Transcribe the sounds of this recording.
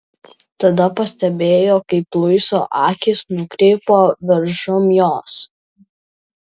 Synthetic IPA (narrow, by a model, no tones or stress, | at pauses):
t̪ɐd̪ɐpɐsʲt̪ʲɛbʲeːjoːkɐɪplˠʊɪso̰ːʔɑːkʲɪsnʊkɾʲɛːpoːʋʲɛɾʒʊmjoːs